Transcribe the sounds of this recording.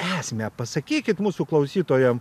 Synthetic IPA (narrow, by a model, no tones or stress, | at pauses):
æːsmʲɛpɐsɐkʲiːkʲɪt̪muːsuklˠɐʊsʲiːt̪oːjɛm